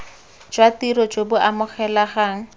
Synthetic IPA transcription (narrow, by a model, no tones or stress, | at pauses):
d͡ʒwatiɾɔd͡ʒebʊʔamʊχɛlaχaːŋ̩